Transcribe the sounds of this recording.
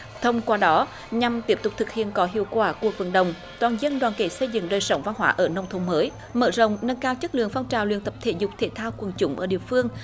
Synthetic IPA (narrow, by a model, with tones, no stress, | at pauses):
t̪ʰə˧wŋ͡mkwaː˧ɗɔ˨˦ | ɲa˨˩mt̪i˦˥əp̚t̪ʊ˨˩k͡p̚t̪ʰɨ˨˩k̚hḭ˧˨ənkɔ˨˦ɦḭ˧˨əwkwaː˧˩ku˨˩ək̚və̰˧˩nɗə˨wŋ͡m | t̪waː˨˩nzə˧nɗwaː˨˩nkḛ˧˩sə˧jzɨ̰˧˨ŋɗəː˨˩jsə˨˦wŋ͡mva˧nɦwa̰ː˧˦ʔəː˧˩nə˧wŋ͡mt̪ʰo˨˧˦ŋ͡mməː˨˦j | məː˧˩zə˧˨wŋ͡mnə˧nkaː˧wt͡ɕə˦˥k̚lɨ̰˧˨əŋfa˧wŋ͡mt͡ɕaː˨˩wlwi˧ənt̪ə˨˩p̚t̪ʰḛ˧˩zʊ˨˩k͡p̚t̪ʰe˧˩t̪ʰaː˧wkwə˨˩nt͡ɕʊ˨˦ŋ͡mʔəː˧˩ɗḭ˧˨əfɨ˧əŋ